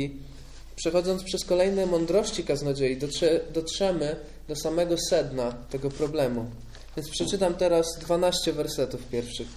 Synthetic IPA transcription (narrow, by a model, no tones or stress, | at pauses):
i | pʂɛxɔd̪zɔnt̪spʂɛskɔlɛjnɛmɔnd̪ɾɔɕt͡ɕikaznɔd͡ʑejid̪d̪ɔtʂɛmɘ | d̪ɔsamɛɡɔsɛd̪nat̪ɛɡɔpɾɔblɛmu | vʲjɛnt̪spʂɛt͡ʂɘt̪amt̪ɛɾazd̪vanaɕt͡ɕɛvɛɾsɛt̪ufpʲjɛɾfʂɘx